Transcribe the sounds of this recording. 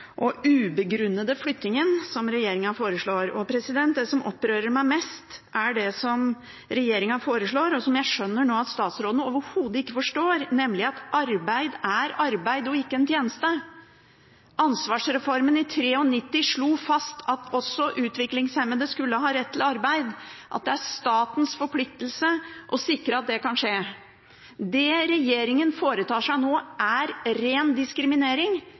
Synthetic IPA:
ʔɔʉːbəɡɾʉnːəd̪əflʏt̪ːnɪŋənsɔmɾɛjeːɾɪŋənfoːɾəʂɭoːɾɔpʰɾɛsɪd̪ɛnt̪̚d̪ɛsɔmʔɔ̰pːɾøːɾəɾmæɪmɛst̪ʔæɖɛsɔm | ɾɛjeːɾɪŋɑfoːɾəʂɭoːɾɔsɔmjæɪʂœnːəɳoːɑt̪st̪ɑːt̪sɾoːd̪ənəoːʋəɾhuːd̪əɪkːəfɔʂʈoːɾnɛmlɪɑt̪ʔɑɾbæɪd̪æɾɑɾbæɪd̪ɔɪkːəɛnt̪ʰjeːnəst̪ə | ʔɑnsʋɑːʂɾɛfɔɾmənɪt̪ʰɾeːɔnɪt̪ːɪʂɭuːfɑst̪ʰɑt̪ʰɔsːɔʔʉːt̪ʋɪklɪŋshɛmːənd̪ɛskʉlːəɦɑːɾɛt̪ːɪlɑɾbæɪd̪ʔɑ̰t̪̚d̪ɛæɾʂt̪ɑːt̪n̩sfɔɾpʰlɪk̚t̪əl̩səʔɔsɪkɾəɑt̪̚d̪ɛkɑnʂeː | d̪ɛɾɛjeːɾɪŋənfoːɾət̪ʰɑːʂæɪnoːʔæɾɾeːnd̪ɪskɾɪmɪneːɾɪŋ

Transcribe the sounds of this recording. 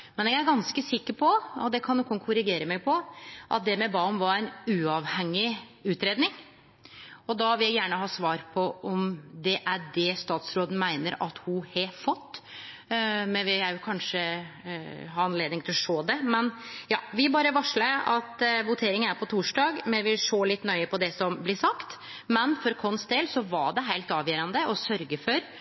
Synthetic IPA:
mɛnɛɡæɾɡɑnskəsɪkːəɾpʰɔɔd̪ɛkʰɑnːɔkːʊnkʰʊɾɪɡeːɾəmɛɡpʰɔʔɑ̰t̪̚d̪ɛmɛbɑːmʋɑɾæɪnʉːɑʋhɛŋːɪʉːt̪ɾeːd̪nɪŋ | ɔd̪ɑʋɪljæɪjæːɳəɦɑːsʋɑːɾpʰɔʔɔmd̪ɛʔæɖɛst̪ɑːt̪sɾoːd̪ən̩mæɪnəɾɑt̪hʊhɑfɔt̪ː | mɛʋɪæɾjʊkʰɑnʂə | ɦɑːɾɑnleːd̪ɪŋt̪ʰɪlɔʂoːd̪ɛmɛnjɑ̰ːʋɪæbɑːɾəʋɑʂləɑt̪ʋʊt̪ʰeːɾɪŋənæɾpʰɔt̪ʰuːʂɖɑːɡmɛʋɪʂoːlɪt̪ːnœʏəpʰɔd̪ɛsɔmblɪsɑkt̪ | mɛnfɔɾɔkʰɔnst̪eːlsɔʋɑɖɛɦæɪlt̪ɑːʋjøːɾənd̪əʔɔsœɾɡəfɔɾ

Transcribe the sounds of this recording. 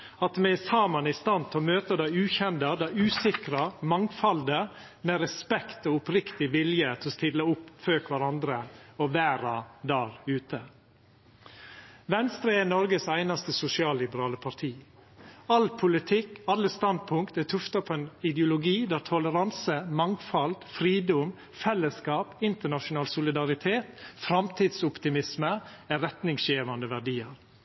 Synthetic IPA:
ɑt̪mɛsɑːmɑnɪst̪ɑnt̪ʰɔmøːt̪əd̪æɪʉːçɛnd̪ɑd̪æʉːsɪkɾɑmɑŋfɑld̪ə | mɛɾɛspɛkt̪oːʊpɾɪkt̪ɪʋɪljət̪ʰɛɔst̪ɪlːəʊpføːkʋæɾɑnd̪ɾəɔʋæːɾɑd̪æːɾʉːt̪ə | ʋɛnst̪ɾenɔɾɡəsæɪnɑst̪əsʊsɪɑːlːɪbəɾɑːləpʰɑɾʈʰiː | ɑlpʰʊlɪt̪ʰɪkːɑlːəst̪ɑnd̪̚pʰʊŋkt̪æt̪ʰʉft̪ɑpʰoɛːnɪd̪jʊlʊɡiːd̪æːɾt̪ʰɔləɾɑnsəmɑŋfɑld̪fɾiːd̪ʊm | fɛlːəskɑːpɪnt̪əɳɑʃʊnɑːlsʊlɪd̪ɑɾɪt̪ʰeːt̪fɾɑmt̪ʰiːd̪sʊpt̪ɪmɪsmə | æɾɛt̪nɪŋsjeːʋɑnd̪əʋæɖiːəɾ

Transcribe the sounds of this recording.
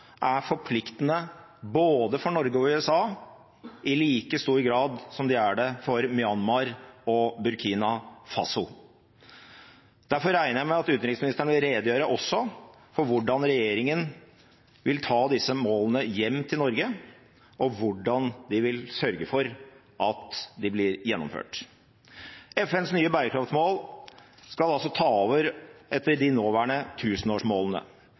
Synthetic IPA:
ʔæfɔɾpʰlɪkt̪ənə | boːd̪əfɔɳɔɾɡəɔʉːɛsɑː | ɪliːkəst̪uːɾɡɾɑːd̪sɔmd̪ɪæɖɛfɔɾmɪɑnmɑɾɔbʉɾkʰiːnɑfɑ̰sʊl | d̪̥æɾfɔɾːæɪnəjæɪmɛɑt̪ʉːt̪nɾɪksmɪnɪst̪əɳəʋɪlɾeːd̪jøːɾəʔɔsːɔ | fɔɾʋʊɖɑnɾɛjeːɾɪŋən | ʋɪlt̪ʰɑːd̪ɪsːəmoːlənəjɛmːt̪ʰɪlnɔɾɡə | ʔɔʋʊɖɑnd̪ɪʋɪlsœɾɡəfɔɾ | ʔɑt̪d̪ɪblɪɾjɛnːɔ̰mfø̰ːʈ | ɛfɛnsnyːəbæɾəkʰɾɑft̪smoːl | skɑlɑlsɔt̪ʰɑːoːʋəɾʔɛt̪ːəɖɪnoːʋæːɳət̪ʰʉːsnoːʂmoːlənə̰

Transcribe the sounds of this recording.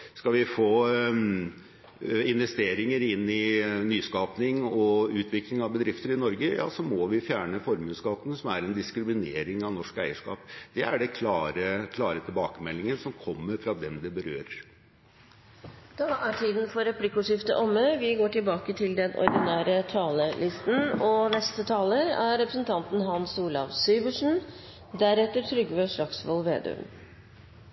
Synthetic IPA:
skɑlʋɪfoː | ɪnʋɛst̪eːɾɪŋəɾɪnːɪnyːskɑːpnɪŋɔʉːt̪ʰʋɪklɪŋɑʋbəd̪ɾɪft̪əɾɪnɔɾɡəjɑ̰ːsɔmɔʋɪfjæːɳəfɔɾmʉːskɑːt̪nsɔmæɾɛnd̪ɪskɾɪmɪneːɾɪŋɑʋnɔʂkæɪəʂkɑ̰ːpd̪̥ɛæɖɛkʰlɑːɾəkʰlɑːɾət̪ʰɪlbɑːkəmɛlːɪŋəsɔmkʰɔmːəɾfɾɑd̪ɛmd̪ɛbəɾøːɾəɾ | d̪̥ɑːʔæʈʰiːd̪n̩fɔɾɛpʰlɪkːʊʂɪft̪ə̰ʔɔmːəʋɪɡoːʈɪlbɑːkət̪ʰɪld̪ɛnʔɔ̰ɾd̪ɪnæːɾət̪ʰɑːləlɪst̪n̩ɔnɛst̪ət̪ʰɑːləɾæɾɾɛpɾəsn̩t̪ʰɑnt̪n̩ɦɑnsuːlɑʋsyːbəʂn̩ | d̪æɾɛt̪ːəʈ̪ʰɾʏɡʋøʂɭɑksʋɔlʋeːd̪̰m

